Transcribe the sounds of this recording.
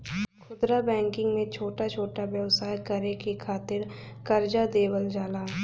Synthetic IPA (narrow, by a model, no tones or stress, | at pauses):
kʰʊd̪ɾabɛ̃ːŋkɪ̃ŋɡmẽt͡ʃʰoːʈat͡ʃʰoːʈabjəʋsaːjkəɾekekʰaːt̪ɪɾkɐɾd͡ʒad̪eːwəld͡ʒaːlaː